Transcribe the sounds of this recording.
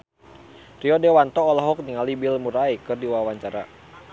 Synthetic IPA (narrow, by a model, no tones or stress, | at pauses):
riɔdɛwant̪ɔːlɔɦɔk̚niŋalibilmuɾaikɨrdiwawaɲt͡ʃaɾa̰